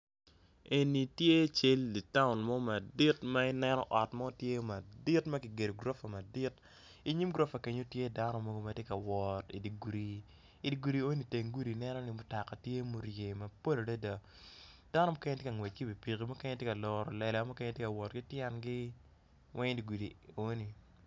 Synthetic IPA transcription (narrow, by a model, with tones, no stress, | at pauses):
e˨ni˨tje˦t͡ʃe˦lːi˨ta˦ʊ˨nmɔ˦ma˨di˦tma˦ɪ˦nɛ˦nɔ̰˦ʔɔ˨tmɔ˦o˦tje˦ma˨di˦tmɐ˦ɡɪ˨ɡe˨do˨ɡɾo˦fa˨ma˨di˦t | i˦ɲi˦mɡɾo˦fa˨ke˨ɲo˦tje˦da˦nɔ˦mo˦ɡo˦ma˦tje˦ka˨wɔ˨tḭ˨di˨ɡɾi˦ | i˨di˨ɡu˨ɾi˨o˦ni˨te˨ŋɡu˦di˨˦nɛ˦nɔ˦nɪ˦mʊ˦ta˨ka˨tje˦mo˦ɾje˨mɐ˨po˦lo˨da˦da˨ | d̥a˦nɔ˦mo˦kɛ˦ɲɛ˦tje˦kɐ˨ŋwe˨t͡ʃ̚ɡi˦bi˨pi˨ki˨mo˦ke˦ɲe˦tje˦ka˨lɔ˨ɾɔ˨lɛ˨lɛ˨˦mʊ˦ke˦ɲe˦tje˦ka˨wɔ˨tɡi˦tjɛ˦nɡiɪ˦ | wʔɛ˦ɲ˦di˨ɡu˨di˨o˦ni˨